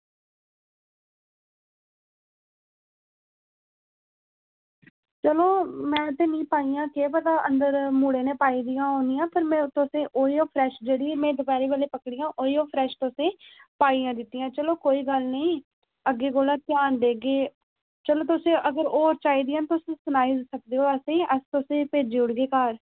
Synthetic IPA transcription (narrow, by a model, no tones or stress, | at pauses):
t͡ʃəloːmɛ̃ːt̪eːnĩːpaːiːjãːkeːpət̪aːʔənd̪əɾmuːɽeːneːpaːiːd̪iːjãːɦoːnijãːpəɾmɛ̃ːt̪ʊsẽːʔoːiːoːpʰɾɛːʃd͡ʒeːɽiːmɛ̃ːd̪ʊkɛːɾiːʋəːleːpəkɽɪjãːʔoːiːoːpʰɾɛːʃt̪ʊsẽːpaːiːãːd̪ɪt̪ːijãːt͡ʃəloːkoːiːɡəlnəĩː | əɡːeːɡoːlãːt̪jaːnd̪eːɡeː | t͡ʃəloːt̪ʊsẽːʔəɡəɾoːɾt͡ʃaːiːd̪ɪjãːt̪ʊsẽːsʊnaːiːd̪sək̚d̪eːɦoːəsẽːʔəst̪ʊsẽːpeːd͡ʒiːʊɽɡeːkaːɾ